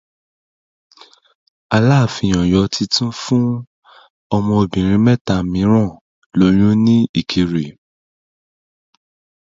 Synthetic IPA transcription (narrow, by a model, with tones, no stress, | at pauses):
a˧la˦˨fi˧˨j̃ɔ̃˨jɔ˨˦tʰi˧tũ˦fũ˦ | ɔ˧mɔ̃˧o˧˨bĩ˨ɾ̃ĩ˧˦mɛ˦ta˧˨mĩ˨˦ɾ̃ɔ̃˦˨ | lo˧˦j̃ũ˦nĩ˦i˦˨kʰe˨˧ɾe˨